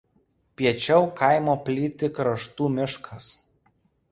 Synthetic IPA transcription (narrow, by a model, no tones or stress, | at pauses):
pʲiɛt͡ʃʲɛʊkɐɪmoːpʲlʲiːt̪ʲɪkɾɐʃt̪uːmʲɪʃkʰɐs